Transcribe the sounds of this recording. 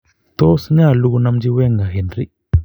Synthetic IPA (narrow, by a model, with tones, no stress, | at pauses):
t̪oː˦sɲaː˦˨lu˦ɡu˧na˧md͡ʒi˦we˦ŋɡa˨ɦi˨nɾi˦